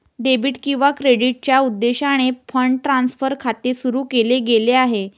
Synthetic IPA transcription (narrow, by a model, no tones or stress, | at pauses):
ɖebiːʈkĩw̃ʋakɾeɽiʈ̚t͡ɕjaud̪ːeɕaɽ̃efʰəɳʈɾansfəɾkʰat̪esuɾuːkeleɡeleaɦe